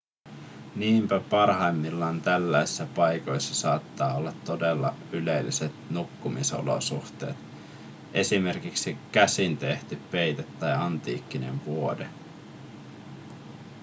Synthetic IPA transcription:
niːmpæpɑrɦɑjmːilːɑːnt̪ælːæjsi̥sːæpɑjko̞jsːɑsɑːt̪ːɑːolːɑt̪ːo̞delːɑ̰ylelːiset̪nukːumiso̞̰lo̰suxt̪e̞̰ːt̪ | ʔe̞sime̞rkiksik̟æsint̪e̞ht̪yppe̞jt̪et̪ːɑjɑnt̪ḭːkːine̞̰ɱʋuode

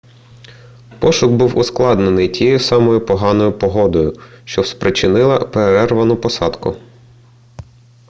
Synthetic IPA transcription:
pɔʃʊɡbuwʔʊsklˠɑd̪nenɪjtʲijejʊsɑmɔjʊpɔɦɑnɔjʊpɔɦɔd̪ɔjʊʃt͡ʃɔwspɾɪt͡ʃɪnɪlˠɐ̰peɾɛrʋɐnʊpɔsɑd̪kʊ̰

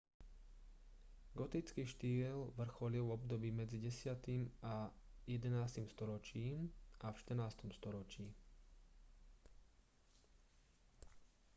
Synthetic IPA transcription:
ɡɔt̪it͡skiːʃt̪iːlʋr̩xɔliʊvɔbd̪ɔbiːmɛd͡ziɟɛsɪat̪ima | jɛd̪ɛnaːst̪imst̪ɔɾɔt͡ʃiːmʔafʃt̪r̩naːst̪ɔmst̪ɔɾɔt͡ʃiː

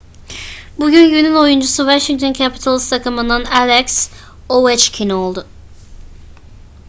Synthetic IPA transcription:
buɟynɟynyno̞jund͡ʒusuvaʃiŋt̪ʰoncʰapʰi̥t̪ʰalˠist̪ʰakʰɯmɯnd̪analʲɛks | owɛt͡ʃcʰino̞lˠd̪ʊ

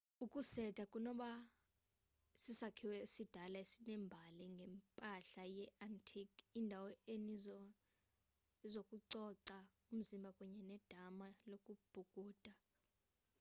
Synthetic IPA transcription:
ukʼusɛdʰʱakʼunɔɓa | sisakʰiwɛsid̥ʱalaesinɛmbʱaliŋɡʱɛmpʼaɬajɛantʰikʰindʱawɔeni | zokʼuǀɔǀa | um̩zimbʱakʼuɲɛnɛd̥ʱamalokʼub̥ʱukʼuːd̥ʱa

